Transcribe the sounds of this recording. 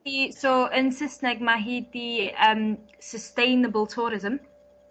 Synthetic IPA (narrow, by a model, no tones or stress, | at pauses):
isoːʔɪ̃nsɪsnɛɡ̚məɦidbiʔəm | səstẽɪnəbəlˠtʰuːɾɪzə̃m